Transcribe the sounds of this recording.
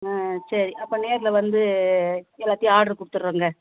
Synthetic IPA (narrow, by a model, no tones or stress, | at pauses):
aːsɐɾiʔɐpːɐ̃ːneːɾɪlɐʋɐnd̪ɯ | ɛlːaːt̪ːijɐaːɽɐɾɯkʊɽɯt̪ːɯɾɾɐːŋɡɐ